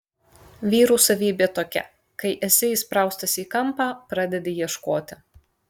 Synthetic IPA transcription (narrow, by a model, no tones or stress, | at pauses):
ʋʲiːɾuːsɐʋʲiːbʲeːt̪oːkʲɛ̰ | kɐɪʔɛsʲɪiːspɾɑˑʊst̪ɐsʲiːkɐmpɑːpɾɑːd̪ʲɛd̪ʲeːjiɛʃkoːt̪ʲɪ